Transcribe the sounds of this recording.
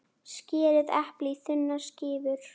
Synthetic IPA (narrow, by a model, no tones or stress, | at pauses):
scɪːɾɪðɛhplɪθʏnːascɪːvʏɾ̥